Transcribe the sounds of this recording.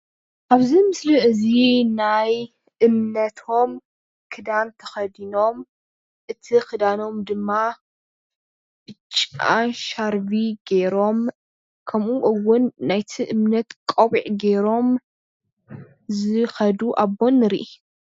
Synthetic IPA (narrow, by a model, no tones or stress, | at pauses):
ʔaβzimɨsliʔɨzinaj | ʔɨmnɐt̪ʰo̞m | kʰɨd̪ant̪ʰɐxɐd̪ino̞m | ʔɨt̪ʰixɨd̪ano̞md̪ɨmːa | b̥ɨt͡ʃʼːa̰ʃaɾviɡeɾo̞m | kʰɐmʔuʔɨwʊnːajt̪ʰiʔɨmnɐt̪kʼɐwiʕɡe̞ɾo̞m | zɨxɐd̪uʔaβːo̞nɨɾiʔi